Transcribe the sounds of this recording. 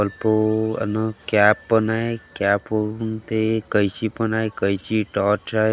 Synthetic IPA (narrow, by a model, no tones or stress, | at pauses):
əlpoə̰nekjapːənaekapont̪ekəjt͡ʃipənajkəjt͡ʃʰiʈɔʈt͡ʃʰaj